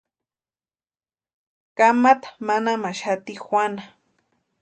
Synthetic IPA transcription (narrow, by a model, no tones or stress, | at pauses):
kamat̪ḁmanamaʃat̪ixwʷana